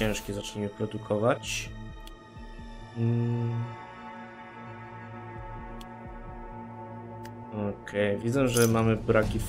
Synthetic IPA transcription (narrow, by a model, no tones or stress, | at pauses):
ɛ̃w̃ʂkʲɛzat͡ʂɲimɘpɾɔd̪ukʰɔvat͡ɕ | ɔkʰɛjvʲid̪zɛʐɛmamɘbɾakʲif